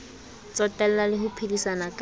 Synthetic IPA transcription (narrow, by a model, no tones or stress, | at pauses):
t͡sɔtʼɛl̩lalɪhʊpʰilisanakʼ